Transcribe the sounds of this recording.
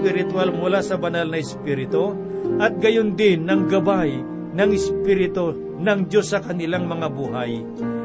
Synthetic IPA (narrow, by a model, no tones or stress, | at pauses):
pɪɾɪt̪walmʊlasɐbɐnalnɐɪspiɾɪt̪o | ʔɐt̪̚ɡɐjʊnd̪ɪnːɐŋɡɐbaj | nɐŋɪspɪɾɪt̪o | nɐŋd͡ʒosːɐkɐnɪlaŋmɐŋabuːɦaj